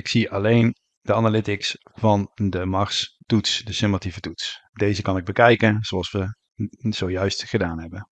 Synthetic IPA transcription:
ɪksiʔɑlejn | dəanalɪtɪksvɑndəmɑrstutsdəsɪmativətutsdejzəkɑnɪɡ̚bəkɛjkənz̥oɑlˠsʋə | z̥owjœɥstχədaːnɦɛbən

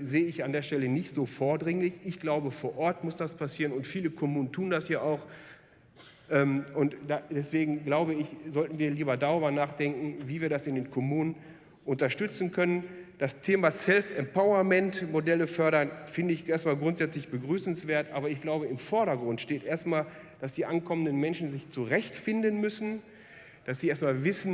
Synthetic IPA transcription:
zeːəɪçandeːɐʃtɛlənɪçtz̥oːfoːɐdʁɪŋlɪçʔɪçɡ̥laʊbəfoːɐʔɔɐtmʊsd̥aspasiːʁənʊntfiːləkʰɔmuːnən̩tʰuːndasjaːʔaʊx | ʔɛːmʔʊntd̥adɛsv̥eːɡŋ̩ɡlaʊbəɪçzɔltn̩viːɐliːbɐdaʁyːbɐnaːχd̥ɛŋkŋ̩viːviːɐɾasɪndeːnkʰɔmuːnən | ʔʊntɐʃtʏt͡sn̩kʰœnənd̥astʰeːmaːsɛlfɛmpaʊɐmɛntmodɛləfœɐɾɐnfɪndəɪçʔeːɐstmaːlɡʁʊntz̥ɛt͡slɪçb̥əɡʁyːsn̩sv̥eːɐtʔaːbɐɪçɡ̥laʊbəɪmfɔɐɾɐɡʁʊntʃteːtʔeːɐstmaːl | d̥asd̥iːʔankʰɔməndənmɛnʃn̩zɪçt͡suʁɛçtfɪndənmʏsn̩ | d̥asz̥iʔeːɐstmaːlvɪsn̩

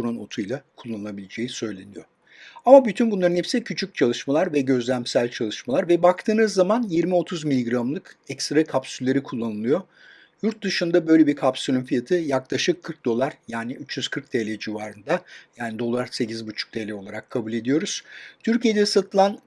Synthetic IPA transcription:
uɾonot̪ʰujlˠakʰulˠːanɯlˠabilʲed͡ʒe̞jisø̞jlʲenijo | amabyt̪ʰynbunlˠaɾɯnepsɛcʰyt͡ʃʰyc̚t͡ʃʰalˠɯʃmalˠaɾvɛɟø̞zlʲæmsælʲt͡ʃʰalˠɯʃmalˠaɾvɛbak̚t̪ʰɯːnɯzːamanjiɾmio̞t̪ʰuzmilʲiɡɾamlˠɯkɛcst̪ɾakʰapsylʲːe̞ɾikʰulˠːanɯlˠɯjo | juɾt̪̚d̪ɯʃɯnd̪abø̞jlʲe̞biɾkʰapsylʲymfijat̪ʰɯjaklˠaʃɯkʰːɯɾk̚d̪o̞lˠaɾjaːnɪyt͡ʃjyz̥kʰɯɾk̚d̪elʲɛd͡ʒivaːɾɯnd̪ajaːnid̪o̞lˠaɾse̞cizbut͡ʃʰu̥k̚d̪̥elʲɛolˠaɾakʰːabulʲe̞d̪ijo̞ɾuz̥t̪ʰyɾcijed̪ɛsat̪ʰɯlˠan

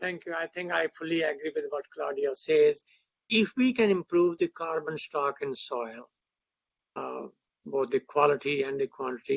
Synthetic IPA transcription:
t̪ʰɛ̃ŋkjuaɪt̪ʰɪ̃ŋkaɪfʊliɛɡɾiʋɪd̪ʋɔʈkla̰ːɾɖiaseːz | ɪfʋiːkɛ̃nɪ̃mpɾuːʋd̪ikaːɾbə̃nsʈɔːkɪ̃nsɔːɪl | boːt̪̚ʰd̪ikwɔlɪʈiɛ̃ɳɖd̪ikwɔ̃nʈɪʈi

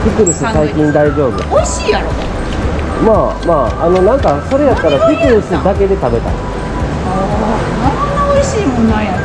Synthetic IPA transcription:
tʲikɯ̟ɾɯ̟sɨsaikʲĩnd̪aiʑo̞ːbɯɡa̰iɕiː | maːmaːno̞nãŋkaso̞ɾe̞jat̪ːaɾak̪ʲikɯ̟ɾɯ̟sɨd̪ake̞d̪e̞t̪abe̞t̪a̰ḭ | naonaoiɕiːmõna

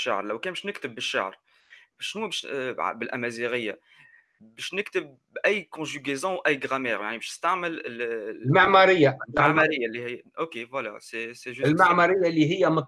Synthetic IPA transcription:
ʃːa̰ʕɾˤlɛwkɛnbɪʃnɪkt̪əbːɪʃːa̰ʕɾ | ʃnubɛʃbɪlʔæmæziɣəjːa | bɛʃnɪkt̪əb̚ | ʔæjːkɔ̃ʒyɡezɑ̃wʔæjːɡʁamɛːʁjaʕnibɛʃnəst̪aʕməlɪllmaʕmɑɾɪjːaaʕmɑɾɪjːalːihɪjːʔokevwala̰sɛsɛʒlmaʕmɑɾɪjːalːiɦɪjːæmʊ

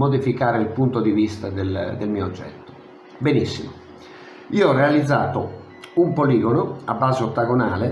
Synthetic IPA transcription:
mod̪ifikaːɾeilpunt̪od̪ivist̪ad̪eld̪elmiːod͡ʒːɛ̰t̪ːo̥ | benisːḭmo | iːoɔrːealid̪zːaːt̪o | umpoliːɡonoabːaːzeot̪ːaɡonaːle

